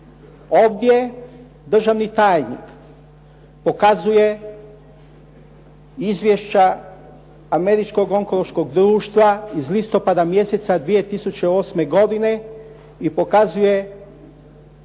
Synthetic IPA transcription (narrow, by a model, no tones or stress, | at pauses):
o̞ʋd̪je̞ | d̪r̩ʒaʋnit̪aːjnḭk | po̞kazuje̞ | izʋʲjeʃt͡ɕa | ame̞ɾit͡ʃko̞ɡo̞ŋko̞lˠoʃko̞ɡd̪ɾuːʃt̪ʋaizlist̪o̞pad̪amje̞set̪sad̪ʋije̞t̪isut͡ɕeo̞ːsme̞ɡo̞d̪ine̞ | ipo̞kazuje̞